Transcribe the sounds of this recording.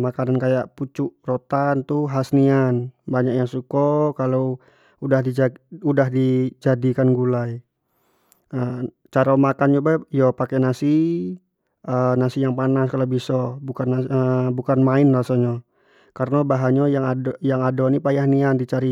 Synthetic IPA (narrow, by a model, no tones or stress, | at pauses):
makanankajaʔput͡ʃuʔrot̪ant̪uɦasnianbaɲak̚jaŋsukɔkalow | udahdid͡ʒaudaɦdid͡ʒadikanɡulaj | ə | t͡ʃaɾamakand͡ʒubajɔpakɛnasi | ʔənasijaŋpanaskalobisɔbukanaəbukanmaɪnlasaɲɔ | karənabaɦaɲɔjaŋadjaŋadɔnipajahniandit͡ʃaɾi